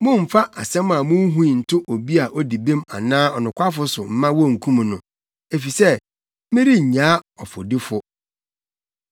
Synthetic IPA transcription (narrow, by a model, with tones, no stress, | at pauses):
mʊ̃˦m̩˨fa˦ʔa˨sɛ̃˦ma˨mʊ̃˦ɦũ˦˨n̩˨tʰʊ˦ʔo˨bi˦a˨ʔɔ˦di˨bẽ˦ma˨nãː˦ɔ˨nʊ̃˨kʷʰa˦fʊ˦sʊ˨m̩˦mã˦wɔ˦˨ŋ̩˨kʰũ˦m̃˨nʊ̃˨ | e˨fi˨sɛ˦ | mɪ̃˦ɾi˦˨ɲã˨˦ɔ˨fʊ̰˨dɪ˦fʊ˦